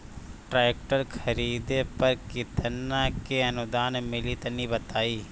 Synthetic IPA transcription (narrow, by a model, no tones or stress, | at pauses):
ʈɾaːjk̚ʈəɾkʰɐɾiːd̪epɐɾkɪt̪ənːakeɐnʊd̪aːnmɪlit̪ɐnibɐt̪aːiː